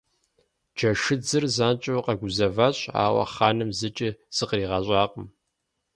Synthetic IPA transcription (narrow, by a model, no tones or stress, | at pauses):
d͡ʒɐʂɨd͡zɨrzaːnt͡ʃʼɐwqɐɡʷʊzɐvɐɕʼa̰ːwɐ̰χaːnɨmzɨt͡ʃʼiz̥ɨqriːʁɐɕʷʼɑːqʼəm